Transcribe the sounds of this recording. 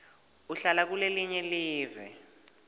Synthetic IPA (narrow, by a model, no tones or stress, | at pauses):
uɬalak̬uleliɲɛliːvɛ̰